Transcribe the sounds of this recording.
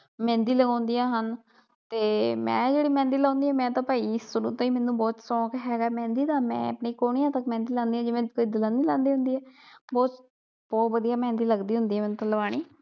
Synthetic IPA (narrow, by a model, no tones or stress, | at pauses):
mɛ̃ːnd̪iːləɡãːnd̪iːjãːɦən | t̪eːmɛ̰̃ːd͡ʒeːɽiːmɛ̃ːnd̪iːlãːnd̪iːɛːmɛ̃ːt̪ãːpaːisʊnũːt̪ãːiːmɛ̃ːnũːbɔːt̪sɔ̃ːkɦɛːɡaɛmɛ̃ːnd̪iːd̪aːmɛ̰̃ːəpniːkoːɳijãːt̪əkmɛ̃ːnd̪iːlãːnd̪iːãːd͡ʒɪʋɛ̃koːiːd̪ɪlãːniːlãːnd̪iːɦʊ̃nd̪iːɛːbɔːt̪ | bɔːʋəd̪ijaːmɛ̃ːnd̪iːləɡd̪iːɦʊ̃nd̪iːɛːmɛːñːt̪ãːlʋaːɽ̃iː